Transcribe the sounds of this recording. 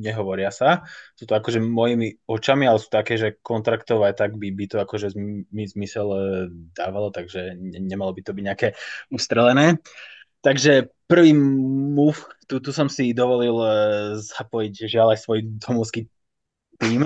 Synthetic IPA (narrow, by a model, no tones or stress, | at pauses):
ɲɛɦɔʋɔɾɪasasuːt̪ɔakɔʒɛmɔjimiɔt͡ʃamialɛsu̥ːt̪ɔakɛːʒɛkɔnt̪ɾakt̪ɔʊat̪aɡbibit̪ɔakɔʒɛmizmisɛld̪aːʋalɔt̪aɡʒɛɛɲɛmalɔbit̪ɔbiɟɲɛakɛːust̪ɾɛlɛnɛː | t̪aɡʒɛpr̩ʋiːmuːft̪ut̪usɔmsid̪ɔʋɔlilzapɔjiɟʒɪalajsʋɔjd̪ɔmɔʊski | t̪iːm